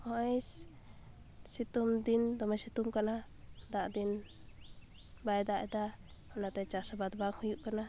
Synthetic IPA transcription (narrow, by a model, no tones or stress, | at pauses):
ɔʔɛs | sit̪umd̪ind̪ɔmɛsit̪umkana | d̪aʔd̪in | bajd̪aʔɛd̪a | ɔnat̪ɛt͡ʃasabat̪̚baŋhujuʔkana